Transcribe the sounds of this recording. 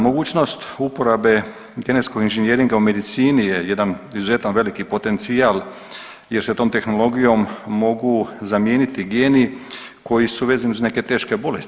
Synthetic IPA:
mo̞ɡuːt͡ʃno̞st̪upo̞ɾabe̞ | ɡe̞net̪sko̞ɡinʒenjeːɾiŋɡaume̞d̪it̪siːnijejed̪anizuze̞t̪anʋelikipo̞t̪e̞nt̪siaːl | je̞ɾset̪o̞ːmt̪e̞xno̞lo̞ɡijo̞mːo̞ɡuzamjeːnit̪iɡjeːni | ko̞jisuʋe̞zaniuzne̞ke̞t̪e̞ːʃke̞bo̞lest̪i

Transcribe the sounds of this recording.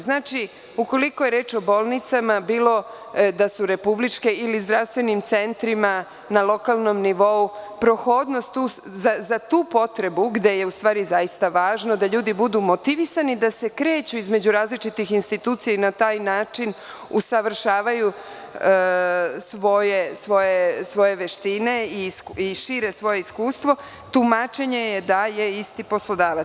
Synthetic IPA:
znaːt͡ʃi | uko̞likoje̞ɾe̞ːt͡ʃo̞boːlˠnit̪samabiːlˠo̞ | d̪asuɾe̞publit͡ʂkeʔilizd̪ɾafst̪ʋe̞nimt̪se̞nt̪ɾima | nalˠo̞kalˠno̞mniʋo̞upɾoxo̞ːd̪no̞st̪ːuːszazat̪uːpo̞t̪ɾe̞buɡd̪e̞je̞ust̪ʋaːɾizajist̪aʋaːʒno̞d̪aʎuːd̪ibud̪umo̞t̪iʋisanid̪ase̞kɾe̞ːt͡ɕuizme̞d͡ʑuɾaːzlit͡ʃit̪ixinst̪it̪uːt̪sijainat̪aːjnaːt͡ʃin | usaʋr̩ʃaːʋaju | sʋo̞je̞sʋo̞je̞sʋo̞je̞ʋeʃt̪ine̞isiʃiːɾe̞sʋo̞je̞iskuːst̪ʋo̞ | t̪umat͡ʃe̞ɲejed̪aje̞ist̪ipo̞slˠo̞d̪aːʋa

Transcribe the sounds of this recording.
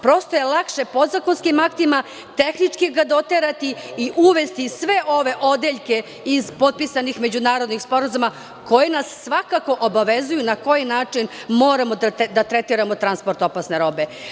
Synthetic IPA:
pɾo̞st̪oje̞lˠakʃe̞po̞zakonskimakt̪ima | t̪e̞xnit͡ʂkiɡad̪o̞t̪eɾat̪iiʔuʋest̪isʋe̞ʔo̞ʋe̞ʔo̞d̪eʎke̞ | izpo̞t̪̚pisanixme̞d͡ʑunaːɾo̞d̪nixspo̞ɾazuma | ko̞jenasːʋakako̞ʔobaʋe̞zujunako̞jinaːt͡ʂinmo̞ːɾamod̪at̪ɾet̪iɾamot̪ɾanspo̞ɾt̪o̞pasne̞ɾo̞be̞

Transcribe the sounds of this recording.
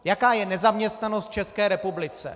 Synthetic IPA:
jakaːjɛnɛzamɲɛst̪nano̞st̪̚t͡ʃɛskɛːɾɛpublɪt͡sɛ̰

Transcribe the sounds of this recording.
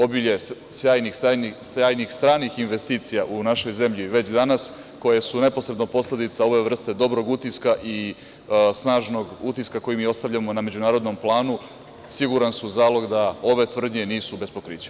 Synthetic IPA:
o̞biʎe | sjaːjnixajnisjaːjnixst̪ɾaːnixinʋe̞st̪iːt̪sijaʔunaʃojze̞mʎiʋe̞t͡ɕd̪anas | ko̞je̞sune̞posɾe̞d̪nopo̞sled̪it̪sao̞ʋe̞ʋr̩st̪e̞d̪o̞bɾo̞ɡut̪iskaʔi | snaːʒno̞ɡut̪iskako̞jimiːo̞st̪aʋʎʲamo̞name̞d͡ʑunaːɾo̞d̪no̞mplˠaːnu | siɡuɾansuzaːlˠo̞ɡd̪ao̞ʋe̞t̪ʋr̩d̪ɲe̞niːsube̞spo̞kɾiːt͡ɕe̥

